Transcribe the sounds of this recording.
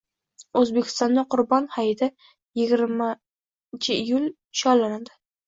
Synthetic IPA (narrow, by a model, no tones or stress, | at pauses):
ɵzbekʲʰɪ̥st̪ɒnd̪aqʰʊɾbɒnhajɪd̪ɪ | jɪɡʲɪɾma | t͡ʃʰɪɪjʊl | ʃɒlanad̪ɪ̥